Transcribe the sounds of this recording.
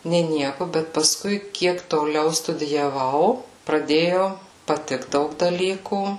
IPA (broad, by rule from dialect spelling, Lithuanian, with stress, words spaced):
nʲeː ˈnʲiɛkʊ bʲɛt pɐˈskʊɪ ˈkʲiɛk toːˈlʲɛʊ stʊdʲɪjɛˈʋɐʊ prɐˈdʲeːjoː pɐˈtʲɪkt ˈdɐʊk dɐˈlʲiːkuː